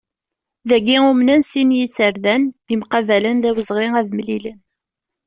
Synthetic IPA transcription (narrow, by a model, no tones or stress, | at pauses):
ðæɡːiumnænsinjisəɾðænimqɑvælənðæwəzʁɪæðmlilən